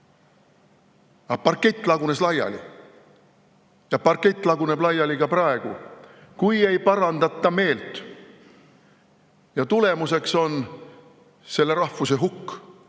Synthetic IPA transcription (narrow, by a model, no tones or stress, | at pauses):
ɑpɑrkːe̞t̪ːˑlɑɡune̞slɑjɑ̰lḭ | jɑpɑrket̪ːˑlɑɡune̞b̥lɑjːɑliɡ̥ɑprɑe̞ɡ̥u | kuje̞jpɑɾɑnd̪ɑt̪ːˑɑme̞ːlt̪ˑ | jɑt̪ule̞muse̞kso̞n | se̞lːe̞ɾɑhfuse̞ɦukː